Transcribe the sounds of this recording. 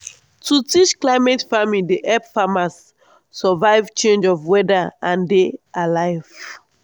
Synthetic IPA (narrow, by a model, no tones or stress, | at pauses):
tʰutit͡ʃklaɪmɛtfamideʔɛpfamasː | ɔvaɪvt͡ʃẽnd͡ʒɔvwɛdaãndealaɪv̥